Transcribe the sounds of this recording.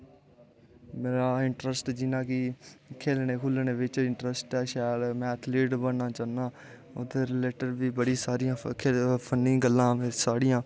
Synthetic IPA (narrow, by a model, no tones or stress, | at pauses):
meːɾaːɪɳʈɾəsʈd͡ʒɪnãːkɪkʰeːlneːkʰʊlneːʋɪt͡ʃɪɳʈɾəsʈɛːʃaːlmɛ̃ːt̪ʰleːɖbənːaːt͡ʃaːnaː | ʊt̪ːeːɾɪleːʈəɾbiːbəɽiːsaːɾɪjãːepʰənɪ̃ɡəlːãːmesaːɽɪjãː